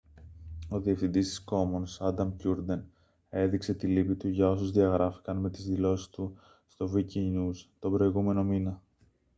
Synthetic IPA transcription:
o̞ðie̞fθind̪ist̪i̥sko̞mo̞nsɐd̪ɐmcuɾd̪e̞n | e̞ðikse̞t̪ilipit̪uʝɐo̞sozðiɐɣɾɐfi̥kɐnme̞t̪izðilo̞si̥st̪u | st̪o̞viciɲust̪o̞bɾo̞iɣume̞no̞minɐ

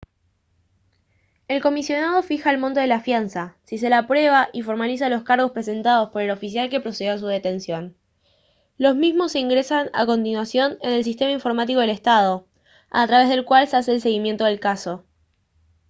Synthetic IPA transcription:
e̞lko̞misjo̞nað̞o̞fixaelmõnt̪o̞ð̞elaːfjansasis̬e̞lapɾwe̞β̞aʔifo̞ɾmalis̬alo̞skaɾɣo̞spɾes̬e̞nt̪að̞o̞spo̞ɾe̞lo̞fisjalke̞pɾo̞seðjos̬uðe̞t̪e̞nsjo̞n | lo̞zmizmo̞seiŋɡɾesana̰ko̞nt̪inwasjo̞ne̞ne̞ls̬ist̪e̞maiɱfo̞ɾmat̪̬iko̞ðele̞st̪að̞o̞ | a̰t̪ɾaβe̞zð̞e̞lkwalseas̬e̞ːlse̞ɣ̞imje̞nt̪o̞ð̞e̞lkaso̞

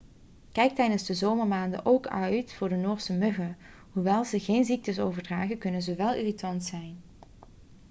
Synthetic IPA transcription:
kɛjk̚tɛjdənzdəzowməɹmaːndə̰ʔowkœɥtfʊːɹdənoːɹsəmɵɣə | ɦuʋɛlˠzəɣejnzik̚təsowvəɹdraːχəkɵnənzəʋɛlˠḭːritɑntsɛjn

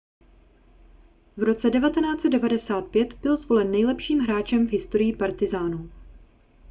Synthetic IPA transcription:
vɾo̞t͡sɛdɛvat̪ɛnaːt͡sɛd̪dɛvadɛsaːt̪̚pjɛt̪bɪlzvo̞lɛnːɛjlɛpʃiːmɦɾaːt͡ʃɛmvɦɪst̪o̞ɾɪjɪpaɾt̪ɪzaːnu

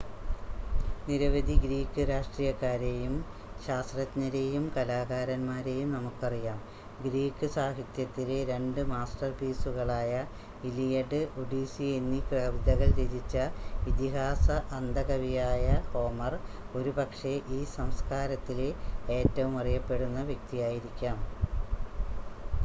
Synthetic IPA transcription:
niɾɐʋɐd̪ʱiɡɾiːkːɨɾaːʂʈriːjɐkːaːɾe̞jum | ɕaːst̪rɐt̪ɲɐɾe̞jumkɐlaːɣaːɾɐnmaːɾe̞jumnɐmukːɨɐrijaːm | ɡɾiːkːɨsaːɦit̪jɐt̪ːile̞ɾe̞ɳɖɨmaːsʈɐrpiːsuɣɐɭaːjɐ | ilijɐɖɨoɖiːsie̞nːikrɐʋid̪ɐɣɐɭd͡ʑedit͡ɕːɐʋit̪iɦaːsɐʔɐnd̪ɐɣɐʋijaːjɐho̞ːmɐr | o̞ɾubɐkʂe̞ʔiːsɐmskaːɾɐt̪ːileeːtːɐʋumɐrijɐpːe̞ɽunːɐʋjɐk̚t̪ijaːjiɾikʲːaːm

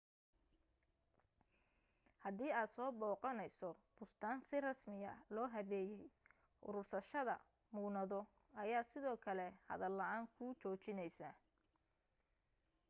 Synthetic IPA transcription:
hɐðiːaːd̪sɔːbɔːqɑnɛjsɔb̥ʊst̪ʰaːnsɪrɐsmɪjɐ̰lɔːɦɐβɛːjɛj | ʔʊ̰ɾʊrsɐʃɐðɐ̰ | mʊːnɐðɔ | ɐjaːsɪðɔːkʰɐlɛhɐ̰ðɐlːɐaːŋkʰʊːt͡ʃɔːt͡ʃɪnɛjsɐ

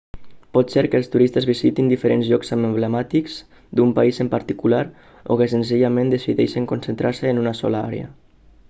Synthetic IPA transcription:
pɔt̪sɛɾkəlˠst̪uɾist̪əzβizit̪ind̪ifəɾenzʎɔkzəmmbləmat̪ikz | d̪umpaizəmpaɾt̪ikulaɾ | o̰kəsənziʎamend̪əsiðɛʃəŋkonsənt̪ɾaɾsəːnunəsɔ̰ləa̰ɾḛə̰

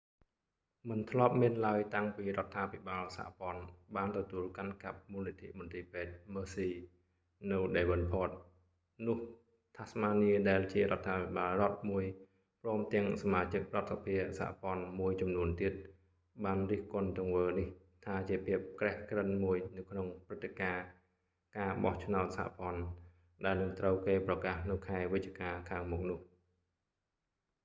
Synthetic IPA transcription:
mɨnt̪ʰlŏəp̚miənlaəjt̪aŋpiːɾŏət̪ʰːaːpʰiɓaːlsa̰ːʔpŏənɓaːnt̪ɔt̪uəlkankap̚muːlit̪ʰḭʔmont̪iːpeːt̪̚məːsiː | nɨwɗeːʋənpʰoːt̪̚ | nʊ̆əh | t̪ʰasmaːniəɗaɛlt͡ɕiəɾŏət̪ʰːaːpʰiɓaːlrŏət̪̚muəj | prɔːmt̪ɛ̆əŋsamaːt͡ɕɨk̚rŏət̪̚sapʰiəsha̰ʔpŏənmuəjt͡ɕɑmnuənt̪iət̪̚ | ɓaːnriəhkʊənt̪̆ːəŋʋəːnih | t̪ʰaːt͡ɕiəpʰiəp̚krɛhkrənmuəjnɨwkʰnoŋprɨt̪ːekaː | kaːɓɑht͡ɕʰnaɔt̪̚saha̰ʔpŏən | ɗaɛlnɨŋt̪rəwkeːprɑkaːhnɨwkʰaɛʋɨc̚t͡ɕiəkaːkʰaːŋmuk̚nʊ̆əh

